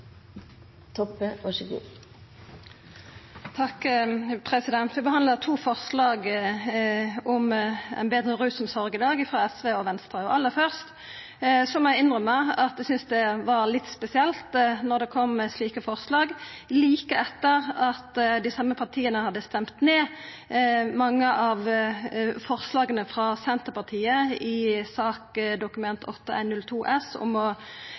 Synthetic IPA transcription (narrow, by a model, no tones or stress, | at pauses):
t̪ʰɔpːəʋɑʂəɡṵː | t̪ʰɑkpʰʁɛsɪd̪ɛnt̪ʋɪbəhɑnd̪lət̪ʰuːfɔʁslɑːɡ | ɔmɛ̰ɪnbeːd̪ʁəʁʉːsʊmsɔʁɡəd̪ɑːɡɪfʁɑːɛsʋeːɔʋɛnst̪ʁəɔʔɑlːəfœʁst̪ | sɔmjæɪɪnʁœməɑt̪̚d̪ɛsʏnsd̪ɛʋɑɾlɪt̪ːspɛsɪɛlt̪nɔʁd̪ɛkʰɔmːɛsliːkəfɔʁslɑːɡ | liːkəɛt̪ːəʁɑt̪d̪ɪsɑmːəpʰɑʁt̪ʰiːənəhɑd̪ːəst̪ɛmt̪neː | mɑŋːəʔɑʋ | fɔʁslɑːɡənəfʁɑsɛnt̪əpɑʁt̪ʰiːəɪsɑːkd̪ʊkʉmɛnt̪ʰɔt̪ːəæ̰ɪnnʉlt̪ʰuːʔɛsɔ̰mɔ